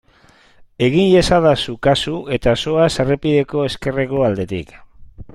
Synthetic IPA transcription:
e̞ɣinʎesaðasukasuʔe̞t̪aso̞aserepiðe̞ko̞e̞ske̞reko̞ald̪e̞t̪ḭk

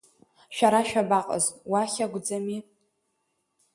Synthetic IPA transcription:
ʃᶣaɾaʃᶣabaqʼə̰zʼwaχʲaɡʷd͡zami

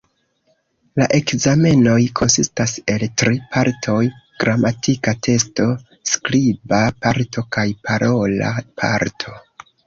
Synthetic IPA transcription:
laʔe̞kzame̞no̞jkʰo̞nsistase̞ltɾipʰaɾtʰo̞jɡ̥ɾamatʰikatʰe̞sto̞ | skɾibapaɾtʰo̞kajpʰaɾʔo̞la̰pʰa̰ɾtʰo̞

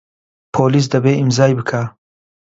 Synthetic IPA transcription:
pʰolɪs̬d̪abeɪmzɑːjbəkʰa

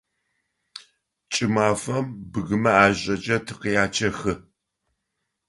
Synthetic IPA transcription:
t͡ʃʼɪmaːfɐmbɨɣɨmɐaːʑʼɐt͡ʃʼɐtʰɨ̥qijaːt͡ʃʰɐxɨ

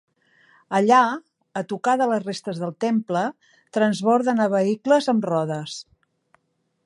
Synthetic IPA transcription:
əʎa | ət̪ukaðələzrest̪əzðəlˠt̪emplə | t̪ɾənzβɔɾðənəβəikləzəmrɔðəs

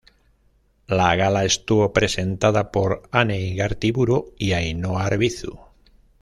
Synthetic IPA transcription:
laɣalaest̪uβopɾe̞se̞nt̪aðapo̞ɾaneiɣaɾt̪iβuɾoiajnoaɾβiθṵ

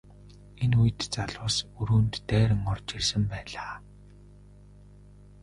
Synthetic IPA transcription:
enujɘ̆t̪t͡saɮʊːsuɾuːnt̪ːæːɾɘ̆ŋɔrt͡ɕirsɘ̆mpæːɮaː

